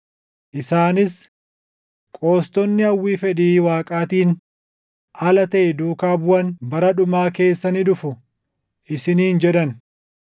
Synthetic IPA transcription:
ʔɪsaːnɪs | kʼo̞ːst̪ɔnːɪɐwːiːfɛᶑiːwaːkʼaːt̪iːn | ʔɐlɐt̪ɐʔɛd̪uːkaːbʊɐnbɐɾɐᶑʊmaːke̞ːsːɐnɪᶑʊfʊ | ʔɪsɪniːnd͡ʒɛᶑ̪ɐn

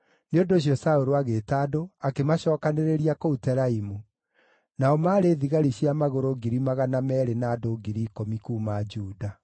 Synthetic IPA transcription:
neondoːɕ̬jɔsaoɾoaɣeːtaːdoakemaɕɔːkaneɾeɾiakoutɛɾaimu | naɔmaːɾeːðiɣaɾiɕjamaɣoɾoɡiɾimaɣanamɛːɾenaːdoɡiɾiːkomikuːmad͡ʒuːda

